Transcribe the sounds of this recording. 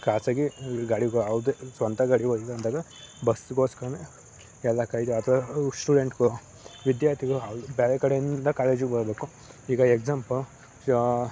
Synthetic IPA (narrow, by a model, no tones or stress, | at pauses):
kaːsaːɡiɡaːɽiɡɐʋd̪esʋɐnt̪ɐɡaːɽiʋoiɡɐnd̪aːɡɐ | bɐsɡoːskɐɽɐne | ɛlːɐkɐjt̪uɐt̪ʰɐʋɐsʈuːɖeɳʈɡu | ʋid̪jaːɾt̪ʰiɡɐɭuɐʋd̪ubeːɾekɐɽejind̪ɐkaːleːd͡ʒɡebɐɾbe̞ːku | iːɡɐeksaːmpɐ